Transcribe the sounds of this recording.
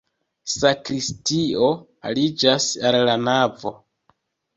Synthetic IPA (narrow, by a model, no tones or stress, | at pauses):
sakɾistio̞ | a̰lid͡ʒasalːanavo̞̰